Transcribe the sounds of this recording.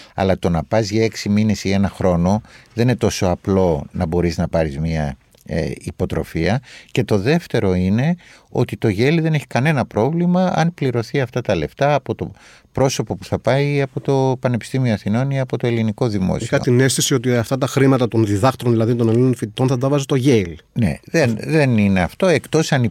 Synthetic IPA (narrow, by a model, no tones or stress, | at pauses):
ɐ̰lɐt̪o̞nɐpɐzʝɐeksiminesie̞nɐxɾo̞no̞ðeninet̪o̞so̞ɐplo̞nɐbo̞ɾiznɐpɐɾizmiɐ̰ | ipo̞t̪ɾo̞̰fiɐce̞t̪o̞ðe̞ft̪e̞ɾo̞ine̞o̞̰t̪it̪o̞ʝe̞liðe̞ne̞çi̥kɐne̞nɐpɾo̞vlimɐɐ̰npliɾo̞θiɐft̪ɐt̪ɐle̞ft̪ɐːpo̞t̪o̞ | pɾo̞so̞po̞pu̥θɐpɐiɐpo̞t̪o̞pɐne̞pi̥st̪imio̞ɐθino̞niɐpo̞t̪o̞e̞liniko̞ðimo̰sixɐ̰t̪inest̪isiot̪̬iɐft̪ɐt̪ɐxɾimɐt̪ɐt̪onðiðɐxt̪ɾonðilɐðit̪onelinonfit̪it̪onθɐt̪ɐvɐzet̪oʝelne̞̰ðenðe̞nine̞ɐft̪o̞e̞kt̪o̞sɐni